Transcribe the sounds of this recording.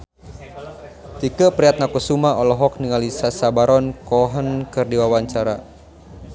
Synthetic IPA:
t̪ikəpɾiat̪̚nakusumaɔlɔɦɔk̚niŋalisasabaɾɔnkɔɦənkɨrdiwawaɲt͡ʃaɾa

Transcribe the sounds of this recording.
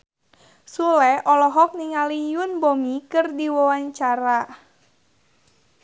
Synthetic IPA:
sulɛʔɔlɔɦɔk̚niŋalijunbomikɨrdiwɔwaɲt͡ʃaɾa

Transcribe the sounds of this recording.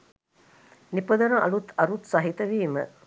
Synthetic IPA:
nipɐd̪ɐɾɐŋʔɐ̰lut̪ɐɾut̪sɐɦit̪ɐʋiːmə̰

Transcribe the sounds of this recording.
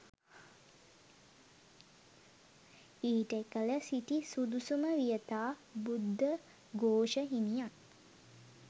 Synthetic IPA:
iːʈəekələsiʈisud̪usuməʋijət̪aːbud̪ːə | ɡoːʃəɦinijan

